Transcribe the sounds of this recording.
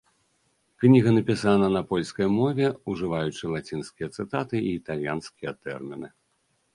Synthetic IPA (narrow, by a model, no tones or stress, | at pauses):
knʲiɣɐnɐpʲisanɐnɐpɔlʲskɐjmɔvʲɛuʐɨvajut͡ʂɨlˠat͡sʲinskʲijɐt̪sɨt̪at̪ɨiːt̪alʲjanskʲijɐt̪ɛ̰rmʲinɨ